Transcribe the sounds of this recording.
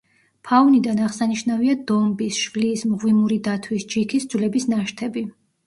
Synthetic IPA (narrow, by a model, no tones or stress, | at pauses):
pʰaunid̪anaʁsaniʃnaviad̪ɔmbisʃvliːsmʁwimuɾid̪at̪ʰwisd͡ʒikʰisd̪zlɛbisnaʃt̪ʰɛbi